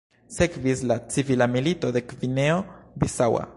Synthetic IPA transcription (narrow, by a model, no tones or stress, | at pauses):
sekvislat͡sivilamilitod̪ekvineobisawa̰